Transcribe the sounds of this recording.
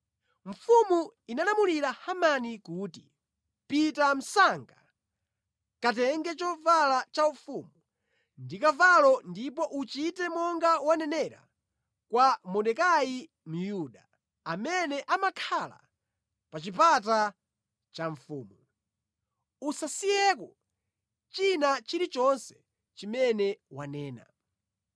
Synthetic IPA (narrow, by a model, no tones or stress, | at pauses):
ɱ̩fumuinalamuliɾahamanikuːti | pitam̩saŋɡa | kat̬ɛŋɡɛt͡ʃɔvalat͡ʃaufuːmu | ndikavalɔndipɔʔut͡ʃitɛmɔŋɡawanɛnɛɾa̰ | kwamɔɗɛkai | m̩juɗa | amɛnɛʔamakʰala̰ | pat͡ʃip̬at̬a | t͡ʃaɱfuːmu | usasijɛkɔ | t͡ʃinat͡ʃiɾit͡ʃɔnsɛ̥ | t͡ʃimɛnɛwanɛːna̰